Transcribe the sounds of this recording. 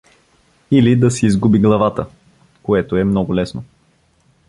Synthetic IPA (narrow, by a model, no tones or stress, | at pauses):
ilid̪ɐsiːzɡubiɡlˠɐvat̪ə | koɛt̪oɛmnɔɡʊlɛsno